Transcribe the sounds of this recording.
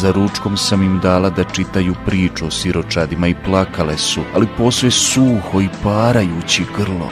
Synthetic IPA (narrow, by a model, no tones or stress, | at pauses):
zaɾut͡ʃko̞msamimd̪aːlˠad̪at͡ʃit̪ajupɾiːt͡ʃuosiɾo̞t͡ʃad̪imaiplˠakale̞sualipo̞svesuːho̞ipaːɾajuːt͡ɕiɡr̩lˠo̰